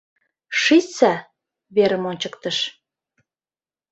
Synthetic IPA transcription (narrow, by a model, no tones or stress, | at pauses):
ʃit͡sæ | βeɾəmonʲt͡ɕəkt̪əʃ